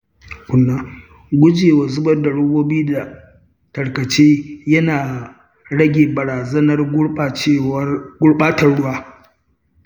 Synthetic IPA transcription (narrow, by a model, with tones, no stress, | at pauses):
kʷʊ˨nːaː˦ | ɡʷʊ˦d͡ʒeː˨wa˨zʊ˦bɐ˦rda˨ɽʊ˦boː˦biː˦da˨ | tɐ˨ɽkɐ˨t͡ʃeː˦jɐ˦naː˨ | ɽɐ˦ɡʲeː˨bɐ˨ɽaː˨zɐ˦nɐ˦ra˨t͡ʃe˦ɡʷʊ˦ɽɓaː˦tɐ˨rɽʊ˦waː˦